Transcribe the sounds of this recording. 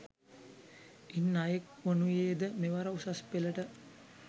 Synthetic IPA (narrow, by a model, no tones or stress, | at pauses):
inːajekʋonujeːd̪əmeʋaɾausaspeləʈə